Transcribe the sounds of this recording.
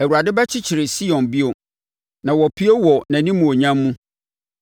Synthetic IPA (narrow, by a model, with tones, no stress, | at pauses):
æ˨wu˨ɾa˨dɪ˦bɛ˦t͡ɕʰɪ˦t͡ɕʰɪ˨ɾɪ˨si˦jɔ̃˨nbi˦o˨ | nã˨wɔ˨pʰi˦o˦wɔ˨næ̃˨nĩ˦mːũ˨o˨ɲã˦mːũ˦